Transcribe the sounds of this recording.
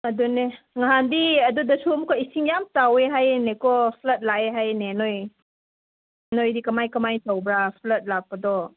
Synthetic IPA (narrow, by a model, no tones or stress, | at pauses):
ɐdune | ŋaɦandiɐdudɐsuɐmukaisiŋjamtaweɦajnekɔpʰlɐt̚laeɦajnenoj | nojdikɐmajkɐmajtawbɾapʰlɐt̚lak̚pɐdɔ